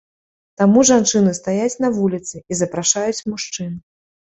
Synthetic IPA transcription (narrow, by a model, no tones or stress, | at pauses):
t̪amuʐant͡ʂɨnɨst̪ajat͡sʲnɐvulʲit̪sɨizɐpɾaʂajut͡sʲmuʂt͡ʂɨn